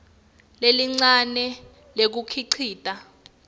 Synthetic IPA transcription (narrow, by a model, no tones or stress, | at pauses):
leliŋ͡ǀanɛ | lek̬ukʰiǀʰiːtʼa